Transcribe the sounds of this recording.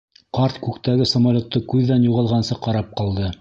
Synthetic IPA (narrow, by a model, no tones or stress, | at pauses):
qɑɾt̪kʉkt̪æɡɘsɐmɐlʲot̪ːoɤkʉðːænjuʁɑlˠʁɑnsɤqɑɾɑp̚qɑlˠd̪ɤ